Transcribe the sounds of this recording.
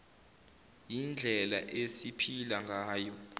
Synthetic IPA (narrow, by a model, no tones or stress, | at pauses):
jind͡ɮʱɛla̰ʔesipʰilaŋɡʱaːjɔ